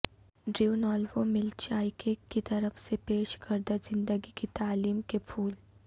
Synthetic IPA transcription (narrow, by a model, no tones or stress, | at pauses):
ɖɾiunɔːlʋomɪlt͡ʃaːɪkekit̪ɐɾəfsepeːʃkɐɾd̪azɪ̃nd̪əɡikit̪aːliːmkepʰuːl